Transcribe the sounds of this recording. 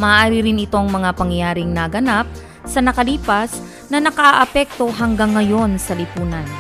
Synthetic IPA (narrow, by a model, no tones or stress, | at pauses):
mɐːʔaːɾɪɾɪnɪt̪o̞ŋmɐŋapɐŋjaːɾɪŋnɐɡɐnap̚ | sɐnɐkɐliːpɐs | nɐnɐkɐʔaʔɐpɛk̚t̪o̞ɦɐŋɡaŋːɐjo̞nsɐlɪpuːnɐn